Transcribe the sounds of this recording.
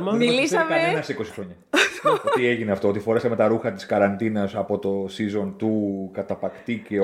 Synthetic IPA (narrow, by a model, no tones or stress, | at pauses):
milisɐmɐenɐsiko̞si̥xɾo̞ɲɐot̪ieʝineɐft̪oo̞t̪ifo̞ɾesɐme̞t̪ɐɾuxɐt̪i̥skɐɾɐnt̪inɐsɐpo̞t̪o̞sizo̞nt̪ukɐt̪ɐpɐkt̪ice